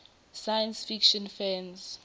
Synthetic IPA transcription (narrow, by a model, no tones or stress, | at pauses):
sajɛ̃nsfikʃɔ̃nfɛ̃nz